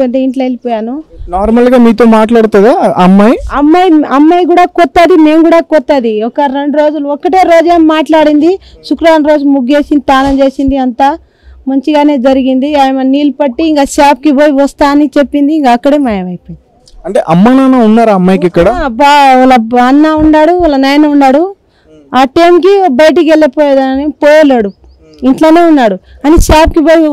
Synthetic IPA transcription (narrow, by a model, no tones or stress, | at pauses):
ɐnʈeiɳʈlɐlipɔːjaːnunaːɾmɐlɡaːmiːt̪̬oːmaːʈlaːɽut̪ud̪aːɐmːɐjɐmːɐjɐmːɐjkuːɽaːkɔt̪ːɐd̪ime̞ːmkuːɽaːkɔt̪ːɐd̪iɔkɐɾe̞ɳɖɾo̞ːd͡ʒuluɔkːɐʈe̞ːɾo̞ːd͡ʒeːmːaːʈlaːɽind̪iʃukɾaːnɾoːd͡ʒulumuɡeːsind̪it̪aːnɐmt͡ʃe̞ːsind̪iɐnt̪aː | mɐɲt͡ʃiɡaːneːd͡ʒɐɾiɡind̪iaːjmɐniːlpɐʈːiːŋkaːʃaːp̚kiboːjiʋɐst̪aːɐnit͡ʃepːind̪iːŋkaːkːɐɽeːmɐːjɐʋɐjpojind̪ | ɐɳʈe̞ːʔɐmːɐnaːnaunːaːɾaɐmːɐjikikːɐɽabalɐɐnːaːuɳɖaːɽuɔlːɐnɐjɐnɐuɳɖaːɽu | aːʈɐjmkibɐjɐʈ̬ikielːɐpoːjeːd̪ɐnɐnipoːjɐleːɽu | iɳʈlaːne̞ːunːaːɽu | ɐniʃaːpkiboːji